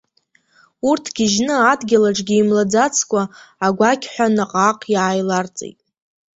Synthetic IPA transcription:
urtʰɡʲɪʒnɨadɡʲɪlaʈ͡ʂʼɡʲiːmlad͡zat͡sʰkʷʼaːɡʷakʲʰħʷᶣanaqʼaqʼjaːjlart͡sʼḛjtʼ

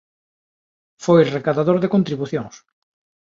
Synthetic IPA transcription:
fojrekaðaðoɾðekont̪ɾiβuθjõŋs

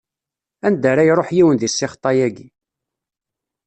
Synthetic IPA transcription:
ænd̪əɾˤæjɾˤoħjiwənðisːɪχt̪ˤːɑjæɡi

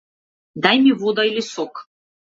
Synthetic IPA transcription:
d̪ajmʲivod̪ɐilʲɪsok

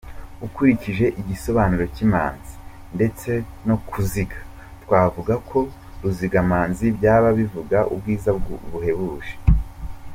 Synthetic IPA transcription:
ukuɾiciʒe̞ʔiɟiso̞βaːnuɾo̞cima̰ːnzi̥ | nde̞t͡se̞ | no̞kuziɡḁ | twaːvuɡakʰo̞ | ɾuziɡamaːnzibɟaːβaβivuɡaʔṵb̚ɡiːzaβuhe̞βuʒe̥

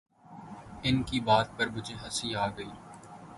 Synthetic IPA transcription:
ɪnkibaːt̪̚pɐɾbʊd͡ʒeɦɐsiaːɡəiː

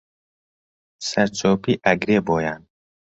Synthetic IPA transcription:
sɐɾt͡ʃʰoːpiːʔɐɡɾeːboːjaːn

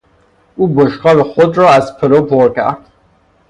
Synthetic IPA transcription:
uːboʃqɒːleχod̪ɾɒːæzpʰelopʰoɾcʰæ̰ɾd̪̥

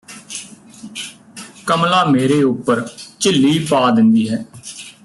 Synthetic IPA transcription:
kəmlaːmeːɾeːʊpːəɾt͡ʃɪlːiːpaːd̪ɪnd̪iːɦɛː

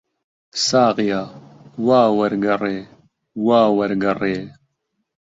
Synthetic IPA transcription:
saːqijaːwaːwɐɾɡɐreː | waːwɐɾɡɐreː

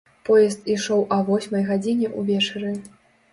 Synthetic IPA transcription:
pɔjɛst̪iʂɔwʔɐvɔsʲmɐjɣad͡zʲinʲɛʔuvʲɛt͡ʂɛɾɨ

